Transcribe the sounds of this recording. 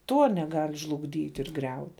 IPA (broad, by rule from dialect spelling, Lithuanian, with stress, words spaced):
ˈtuɔ nʲɛˈɡɐlʲ ʒlˠʊɡˈdʲiːtʲ ɪr ˈɡrʲɛʊtʲ